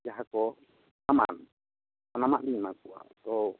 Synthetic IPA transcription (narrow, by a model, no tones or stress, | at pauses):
jaɦakɔ | nama̰n | anamaʔlinakuʔa̰t̪ɔ